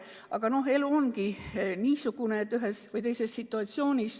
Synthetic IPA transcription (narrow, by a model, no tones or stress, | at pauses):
ɑɡ̥ɑno̞ɦe̞luonkiniːsuɡ̥unet̪ːyɦe̞svɯjt̪e̞jse̞st̪sit̪ːˑuɑt̪sio̞ːnʲis